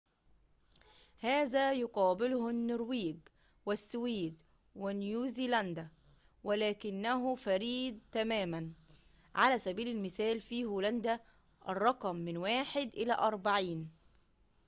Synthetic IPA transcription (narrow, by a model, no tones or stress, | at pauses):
haːzæːjʊqɑːbɪlʊhnːʊɾwiːɡ | wɪsːwiːd̪ | wɪnjuːziːlænd̪æ | wælæːkɪnːæɦʊfæɾiːd̪̚t̪æmæːmæn | ʕalæːsæbiːlɪlmɪθæːlfiːhuːlænd̪æ | ʔɑrˤːɑqmːɪnwaːħɪd̪ʔɪlæ̰ʔɑɾˤbaʕiːn